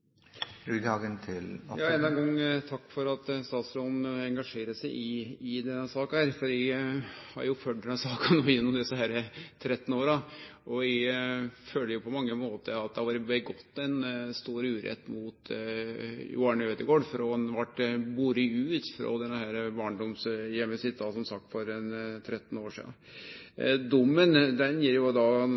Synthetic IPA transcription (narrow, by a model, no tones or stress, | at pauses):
d̪ɑːɡənt̪ʰɪljʔɑːɛnːɛnɡɑŋːt̪ʰɑkːfɔɾɑt̪st̪ɑːt̪slɾɔnɛŋɡɑʂeːɾəsɛɪʔɪɪd̪ɛnːəsɑːkɑhæːɾfɔɾɪhɑ̰ɾjʊføːɖɛnəsɑːkənoːjɛnːɔmd̪ɛsːəhæːɾət̪ʰɾɛt̪ːn̩oːɾɑʔɔɪɪføːlːəɾjʊpʰɔmɑŋːəmoːt̪əɾɑt̪̚d̪ɛhɑʋɑːɾəbəɡɔt̪ːɛnst̪uːɾʉːɾɛ̰t̪ːmʊt̪ | ʊ̰ɑɳød̪əɡoːɖfɾɔnʋɑʈːbuːɾɪʉːt̪fɾɔ̰d̪ɛnːəhæːɾəbɑːɳɖɔmsjɛmːəsɪt̪̚ːd̪ɑsɔmsɑk̚t̪fɔɾɛnt̪ʰɾɛt̪ːn̩oːʂḭːd̪ɑ̰n | d̪ʊmːənd̪ɛnjiːɾjʊd̪ɑ